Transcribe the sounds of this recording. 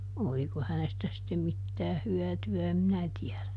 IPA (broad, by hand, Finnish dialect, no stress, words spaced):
oliko hænestæ sitːem mitːæːh hyætyæ em minæ tiɛðæ